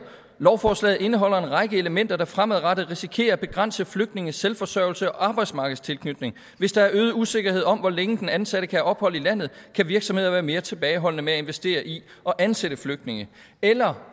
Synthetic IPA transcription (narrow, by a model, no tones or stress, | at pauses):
lɒʊfɒːslɛ̰ːð̩ˠe̝nəɦɒ̽l̰ɐe̝nʁɑ̈ɡ̥əe̝ləmen̰d̥ɐd̥ɑ̈fʁamæð̩ˠʁɑ̈ɾ̥əðˠʁisikʰe̝̰ːɐb̥e̝ɡ̥ʁɑ̈n̰səfløɡ̥̚d̥ne̝ŋəselfɒ̽sœɐ̰l̩səɒ̽ʔɑ̈ːb̥ɑ̈ɪd̥smɑ̈ːɡ̥ð̩ˠst͡sʰe̝lkʰnyd̥ne̝ŋ | ʋe̝sd̥ɑ̈æɐøːð̞̩ˠəuse̝ɡ̥ɐhe̝ðˠɒ̽mʋɒleŋəd̥enænsæɾ̥əkʰææɒ̽b̥hɒ̽l̰ilæn̰ð̩ˠkʰæʋiɐɡ̥sɒ̽mhe̝ð̰ˠɐʋæːɐme̝ːɐt͡sʰe̝b̥ɛːɪɦɒ̽l̰nəmeæe̝nʋesd̥e̝̰ːɐʔi | ʔɒ̽ʔænseɾ̥əfløɡ̥d̥ne̝ŋə | elɐ